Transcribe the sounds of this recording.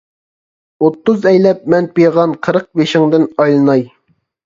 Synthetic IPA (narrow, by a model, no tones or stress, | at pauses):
ot̪ːʊzɛjlɛp̚mɛnpejʁɑnqʰəɾəq̚beʃɪŋd̪ɪnɑjlˠɨnɑj